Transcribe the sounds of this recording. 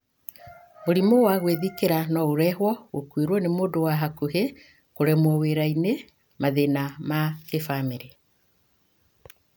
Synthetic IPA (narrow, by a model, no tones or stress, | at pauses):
moɾimowaɣweðikeɾanɔoɾɛhwɔɣokweɾwɔnemoːdowaɦakuhe | koɾɛmwɔweɾaine | maðenamakefameɾe